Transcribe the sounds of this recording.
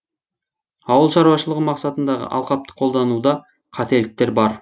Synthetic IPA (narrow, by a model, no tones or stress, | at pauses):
ɑwəlˠʃɑɾuwɑʃəlˠəʁəmɑqsɑt̪ənd̪ɑʁə̰ʔɑ̰lˠqɑp̚t̪ə̥qʰo̞lˠd̪ɑnud̪ɑ | qʰɑt̪e̞lɪk̚t̪e̞ɾbɑɾ